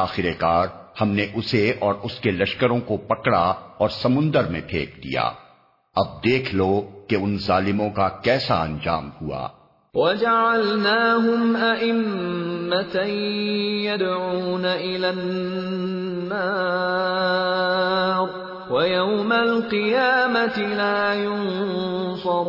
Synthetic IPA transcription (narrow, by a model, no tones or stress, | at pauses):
aːxɪɾekaːɾhɐmneʔʊseɔːɾʊskelɐʃkəɾõkopɐkɽa̰ɔːɾsɐmʊ̃nd̪əɾmḛ̃ʈʰḛːk̚d̪ḭja̰ː | ɐb̚d̪eːkʰlokeʊnzaːlɪmõkakɛːsa̰ɐ̰̃nd͡ʒa̰ːmhua̰ː | wad͡ʒaʕalnaːɦʊmʔaʔɪmːat̪a | jad̪ʕuːnaʔɪlan | aː | ɾ | wajawmalqɨjaːmat̪ɪlaːjʊnsɑɾ